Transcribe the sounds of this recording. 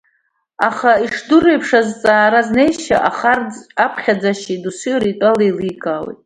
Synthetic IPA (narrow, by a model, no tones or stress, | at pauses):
aχaiʂdʊrejpʰʂazt͡sʼaːɾazne̞jʃa̰ʔaχarapʰχʲad͡zaʃidusiɾitʷʼalelikʰʼaːwḛjtʼ